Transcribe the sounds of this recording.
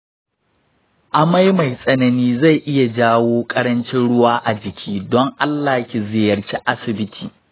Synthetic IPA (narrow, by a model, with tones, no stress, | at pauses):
ʔa˨ma˦jma˨jsʼɐ˦nɐ˨niː˦za˦˨jʔɪ˦ja˨d͡ʒaː˦woː˦kʼɐ˦ɽɐ˦nt͡ʃɪ˦nɽʊ˦waː˦ʔa˨d͡ʒɪ˨kʲʰiː˦dɔ˦ŋʔa˦lːaː˨kʲi˨zɪ˨jɐ˨ɽt͡ʃʲi˦ʔa˦sɪ˨bɪ˦tʰiː˨